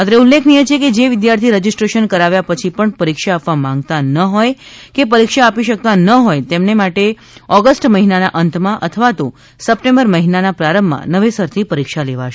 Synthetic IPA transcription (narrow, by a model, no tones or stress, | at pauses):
ət̪əɾeulːekʰnijet͡ʃʰeked͡ʒeʋɪd̪jaɾt̪ʰiɾəd͡ʒisʈɾeʃənkəɾaʋjapət͡ʃʰipəɳpəɾikʃaːpʋamãŋɡt̪anəɦojkep̬əɾikʃaːpiʃək̚t̪anəɦojt̪emnemaʈe | ɔɡəsʈməɦinanaʔənt̪ʰmãʔət̪ʰəʋat̪o | səpʈẽmbəɾməɦinanapɾaɾəmːã̰nəʋesəɾt̪ʰipəɾikʃaleʋa̰ʃ